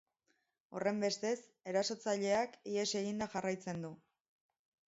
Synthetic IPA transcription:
o̞̰re̞mbe̞st̪e̞s | e̞ɾaso̞t͡saʎe̞akie̞se̞ɣind̪aʝarajt͡se̞nd̪u

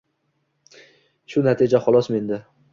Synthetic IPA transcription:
ʃʊnat̪ʰid͡ʒaχɒlˠɒsme̞nd̪ɪ

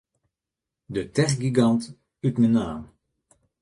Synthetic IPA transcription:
dətɛrɡiɡɑnt | ytmənaːm

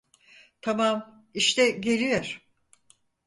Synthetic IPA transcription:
t̪ʰamam | iʃt̪ʰɛɟe̞lʲijoɾ̥

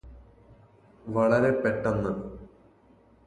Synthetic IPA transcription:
ʋɐɭɐɾe̞peʈːɐnːɐ

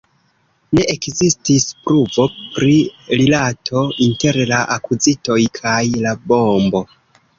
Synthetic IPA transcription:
ne̞ʔekzistispɾuvo̞pɾiɾilatʰo̞inte̞ɾlaʔakuzito̞jkʰajlabo̞mbo̞

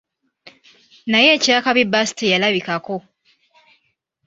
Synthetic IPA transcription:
naje̞ːcaːkaβibasi̥tejalaβikako̞

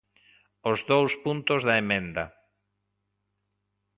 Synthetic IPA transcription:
ʊzðowspunt̪ʊzðɐemẽnd̪ɐ

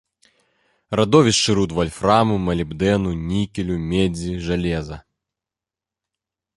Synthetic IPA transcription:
rɐd̪ɔvʲɪsʂɨɾut̪vɐlʲframʊmɐlʲɪbd̪ɛnʊnʲikʲɪlʲʊmʲed͡zʲiʐɐlʲɛzɐ

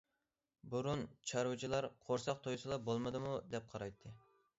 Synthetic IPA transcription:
buɾunt͡ʃʰɑɾwut͡ʃʰilˠɑɾqʰoɾsɑqt̪ʰojsɨlˠɑbolˠmɨd̪ɨmud̪ɛp̚qʰɑɾɑjt̪ʰːɨ

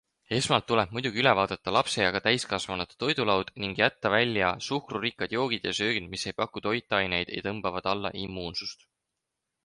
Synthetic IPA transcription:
e̞smɑlt̪ːuleb̥mujd̪uɡ̥ʲiyle̞vɑːd̪̥ɑt̪ːɑlɑpse̞jɑɡ̥ɑt̪æjskɑsvɑnɑt̪ːo̞jd̪̥ulɑwd̪̥niŋɡ̥jæt̪ːɑvælʲːjɑsuhkrurikːˑɑd̪̥jo̞ːɡ̥id̪̥jɑ̰søːɡ̥inmisːe̞jpɑkːˑut̪o̞jt̪ːˑɑjne̞jd̪̥ej̰t̪ɤmb̥ɑvɑd̪̥ɑlːɑ̰ʔimːuːnsust̪

